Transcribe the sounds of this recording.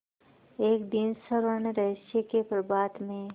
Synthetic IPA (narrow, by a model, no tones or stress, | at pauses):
eːkd̪insəɾəneɾɐʃjekepɾəbaːt̪mẽ